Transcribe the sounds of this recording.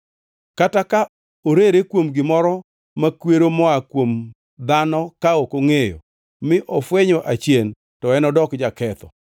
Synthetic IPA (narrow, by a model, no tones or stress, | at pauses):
kataka | oɾeɾekwomɡɪmɔɾɔ | makweɾomɔakwom | d̪anɔkaokoŋejo̰ | mɪʔɔfweɲoʔat͡ʃjen | tɔɛnɔdɔkd͡ʒakɛt̪ɔ̰